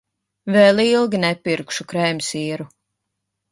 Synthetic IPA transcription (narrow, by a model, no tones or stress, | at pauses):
vɛlilˠɡʲinɛpiɾkʃukɾɛjmʲsiːɾu